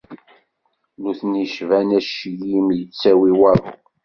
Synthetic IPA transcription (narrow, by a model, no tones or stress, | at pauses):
nuθniʃvænæʃjimjət͡sːæwiwæɾ̰